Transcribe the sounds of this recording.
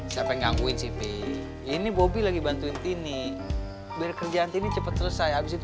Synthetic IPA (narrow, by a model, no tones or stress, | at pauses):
siampɛŋaŋɡuɪnsipe | inibobilaɡibant̪uɪnt̪ini | bɾkərd͡ʒaːnt̪init͡ʃəpət̪̚sələsajabɪs̬it̪u